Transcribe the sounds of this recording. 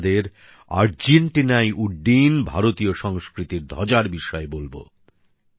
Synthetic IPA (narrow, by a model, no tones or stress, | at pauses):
d̪eɾ | a̰ɾd͡ʑeɳʈinajʔuɖːinbʱaɾot̪ioʃɔŋskɾit̪iɾd̪ʱɔd͡ʑaɾbiʃɔebolbo̰